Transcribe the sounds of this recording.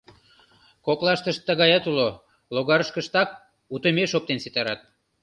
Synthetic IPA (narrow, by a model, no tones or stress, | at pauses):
koklɑʃt̪əʃt̪ːəɣɑjɑt̪ulo | loɣɑɾəʃkəʃt̪ɑk̚ | ut̪əmeʃop̚t̪ensit̪ɑɾɑt̪̚